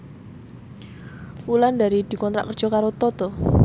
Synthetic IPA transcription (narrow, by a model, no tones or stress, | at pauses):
fuland̪a̤ɾid̪̥i̤kɔnt̪ɾa̰ʔkərd̥d͡ʒ̥ʒ̥ɔ̤kaɾot̪ɔt̪ʊh